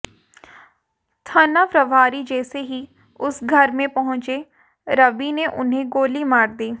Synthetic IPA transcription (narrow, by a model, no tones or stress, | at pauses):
t̪ʰənaːpɾəʋaːɾiːd͡ʒɛːseɦiː | ʊsɡʱəɾmẽpəɦʊ̃nt͡ʃeː | ɾəbiːneʔʊ̰nɦẽɡoːliːmaːɾd̪iː